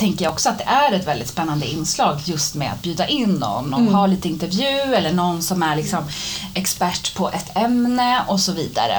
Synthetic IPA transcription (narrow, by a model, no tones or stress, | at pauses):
t̪ʰɛŋkəɾjaɔksɔat̪̚d̪ɛʔæɾɛt̪vɛld̪ɪt̪spɛnːand̪əɪnːslɑːɡjɵst̪mḛːa̰t̪̚bjʉ̟ːd̪aʔɪnːɔ̰nːɔmhaɭiːt̪əɪnt̪əɾvjʉ̟ːɛlːəɳɔnːsɔmæɭɪksɔmɛkspæʈːpʰɔʔɛt̪ʰɛmnəɔsɔviːd̪a̰ɾə̰